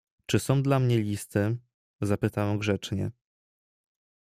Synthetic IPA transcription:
t͡ʂɘsɔ̃w̃d̪lamɲɛlʲist̪ɘ | zapɘt̪awɛmɡʐɛt͡ʂɲɛ̰

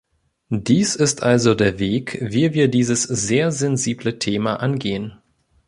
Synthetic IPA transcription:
d̥iːsɪstʔalzodeːɐveːkviːviːɐdiːzəsz̥eːɐzɛnziːblətʰeːmaʔanɡeːən

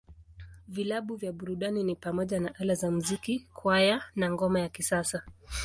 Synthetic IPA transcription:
vilaɓuvjaɓuɾuɗaninipamɔʄanaʔalazamuzikikʰwajanaŋɡɔmajakisasa

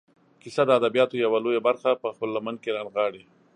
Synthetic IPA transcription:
kisad̪əad̪abijɑt̪ojawalojabaɾxapəxpəlːaman̚keɾɑnɣɑɽi

